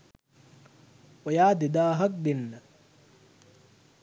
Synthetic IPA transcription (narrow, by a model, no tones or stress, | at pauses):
ojaːd̪id̪aːɦɐk̚d̪inːɐ